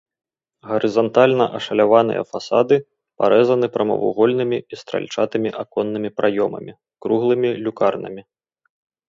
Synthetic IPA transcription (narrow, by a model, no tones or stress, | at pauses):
ɣɐɾɨzant̪alʲnɐʔɐʂɐlʲavanɨ̰jɐ̰fasad̪ɨ | pa̰ɾʔɛzɐnɨpɾɐmɐ̰vṵɣɔlʲnɨmʲiist̪ɾa̰lʲt͡ʂat̪ɨmʲiʔakɔnːɨmʲipɾʔajɔmɐ̰mʲi | kɾuɣlˠɨmʲilʲukarnɐ̰mʲi